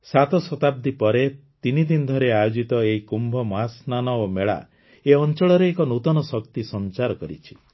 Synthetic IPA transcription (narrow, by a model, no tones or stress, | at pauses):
sat̪ɔsɔt̪ab̚d̪ipɔɾe | t̪inid̪ind̪ʱɔɾeajod͡ʒit̪ɔeɦikumbʱɔmɔɦasnanɔomeɭa̰ | eɔnt͡ʃɔɭɔɾeːkɔnut̪ɔnɔsɔkt̪isɔnt͡ʃaɾɔkɔɾḭt͡ʃʰi̥